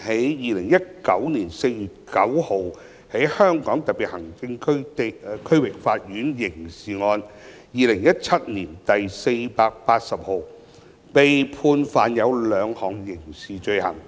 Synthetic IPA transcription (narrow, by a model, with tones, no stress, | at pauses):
he˨˥jjiː˨lɪ˨˩ŋjɐ˥t̚kɐ˨˥wniː˨˩nse˧jjyː˨t̚kɐ˨˥who˨˩w | he˨˥jhœː˥ŋkɔː˨˥ŋt̪ɐ˨t̚piː˨t̚hɐ˨˩ŋt͡sɪ˧ŋkʰkʰɵ˥ɥwɪ˨k̚faː˧t̚jyː˨˥njɪ˨˩ŋsiː˨˩ŋɔː˧n | jiː˨˧lɪ˨˩ŋjɐ˥t̚t͡sʰɐ˥t̚niː˨˩nt̪ɐ˨jse˧jpaː˧k̚paː˧t̚sɐ˨p̚ho˨w | pe˨jpʰuː˧nfaː˨njɐ˨˧wlœː˨˧ŋhɔː˨˩ŋjɪ˨˩ŋsiː˨t͡ʃɵ˧ɥhɐ̰˨˩ŋ